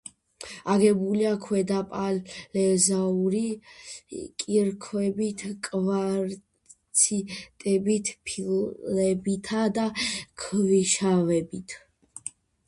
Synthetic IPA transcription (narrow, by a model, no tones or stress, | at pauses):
aɡɛbuliakʰwɛd̪apʼalɛzauɾi | kʼiɾkʰwɛbit̪ʰkʼvaɾ | sʰit̪ʼɛbit̪ʰpʰillɛbit̪ʰad̪akʰviʃavɛbit̪ʰ